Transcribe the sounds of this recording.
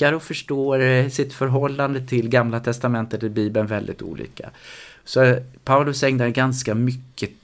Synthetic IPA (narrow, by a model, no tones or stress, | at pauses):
aɾɔfœʂʈoːsɪt̪fœɾɦɔlːand̪ət̪ʰɪlɡamlat̪ʰɛst̪amɛnt̪ət̪ɪbiːbənvɛld̪ɪ̰t̪ṵːlḭːkʰa̰sɔpʰaʊlɵsɛŋd̪aɡanskamʏkːə